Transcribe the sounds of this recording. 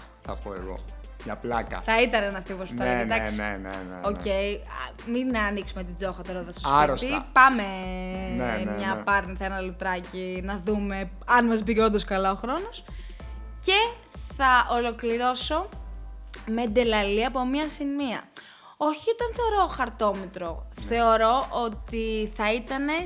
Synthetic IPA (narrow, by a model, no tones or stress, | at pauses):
θɐ̰poḛɣo̰ | ɲɐplɐkɐ̰θɐit̪ɐnenɐft̪ipospt̪ɐed̪ɐksḛnḛoce̞iɐ | minɐːniksumet̪id͡zo̞xɐt̪oɾoðɐst̪osɐiɾosipɐme̞ | mɲɐpɐɾniθɐenɐlut̪ɾɐcinɐðume̞ | ɐnmɐzbico̞nd̪oskɐlaoxɾo̞no̞s | ce̞ | θɐʔolo̞kliɾo̞so̞ | me̞d̪e̞lɐliɐpo̞mɲɐsimiɐ̰ | o̞çiot̪ɐnθe̞o̞ɾo̞xɐɾt̪o̞met̪ɾoθe̞o̞ɾo̞ʔot̪iθɐit̪ɐne̞